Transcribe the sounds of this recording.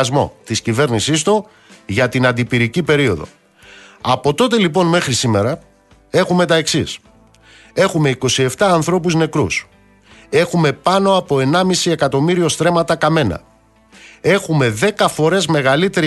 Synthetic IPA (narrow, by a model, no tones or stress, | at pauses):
zmo̞̰t̪iscive̞ɾnisist̪u | ʝɐt̪inɐnd̪ipiɾicipe̞ɾio̞̰ðo̞̰ | ɐpo̞t̪o̞t̪e̞lipo̞nme̞xɾisime̞ɾɐ | e̞xume̞t̪ɐe̞ksis | e̞xume̞iko̞sie̞ft̪ɐːnθɾo̞puzne̞kɾṵs | e̞xume̞pɐno̞ɐpo̞e̞nɐmisie̞kɐt̪o̞miɾio̞st̪ɾe̞mɐt̪ɐkɐme̞nɐ̰ | e̞xume̞ðe̞kɐfo̞ɾe̞zme̞ɣɐlit̪e̞ɾi